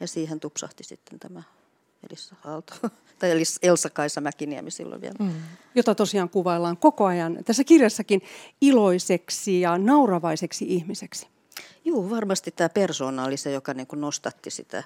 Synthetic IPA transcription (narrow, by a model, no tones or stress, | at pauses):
jɑsiːhent̪upsɑ̰ht̪isit̪ːent̪æmæ | ḛlisːɑhɑlt̪o̥ | t̪ɑieliselsɑkɑisɑmækiniæ̰misḭlːo̰ʋiæ̰ljot̪ɑt̪osiɑːŋkuʋɑelːɑːŋkokoɑjɑnt̪æsːækirjɑsːɑkiniloiseksijɑnɑurɑʋɑiseksiʔihmiseksi̥ | juːʋɑrmɑst̪it̪t̪æːpersoːnɑlːisejokɑniːŋkunost̪ɑt̪ːisḭt̪æ̰